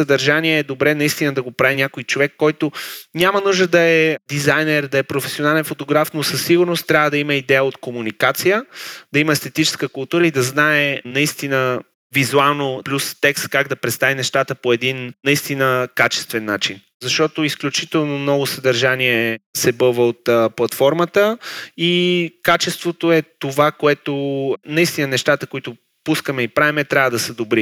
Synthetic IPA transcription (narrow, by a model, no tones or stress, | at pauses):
səd̪ɐɾʒaniɛːd̪obɾɛnɐist̪inəd̪ɐɡopɾavinʲakojt͡ʃovɛkːɔjt̪onʲamənuʒd̪əd̪ɐɛd̪izajnɛɾd̪ɐɛpɾofɛsʲionalɛnfot̪oɡɾafnosəsːiɡʊɾnost̪ːɾʲavəd̪ɐimɐid̪ɛjəot̪komunikat̪sijəd̪ɐiməɛst̪ɛt̪it͡ʃɛ̥skəkʊlˠt̪uɾəid̪ɐznaɛnɐist̪inə | vizualˠnoplʲust̪ɛkst̪̚kaɡd̪ɐpɾɛt̪st̪avinɛʃt̪at̪əpoɛd̪innɐist̪inəkat͡ʃɛ̥st̪vɛnːat͡ʃin | zɐʃt̪ɔt̪oisklʲut͡ʃit̪ɛlˠnomnɔɡosɐd̪ɐɾʒaniɛsɛbɤvəot̪plˠɐt̪fɔɾmət̪əikat͡ʃɛst̪vot̪oɛt̪ovakoɛt̪onɐist̪inənɛʃt̪at̪əkoit̪ʊ | puskəmɛipɾavɛmɛt̪ɾʲavəd̪ɐsɛd̪obɾi